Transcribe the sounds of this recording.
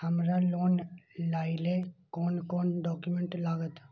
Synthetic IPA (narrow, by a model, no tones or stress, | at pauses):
həmɾaloːnlaːilekoːnkoːnɖɔːkjumẽɳʈlaːɡət̪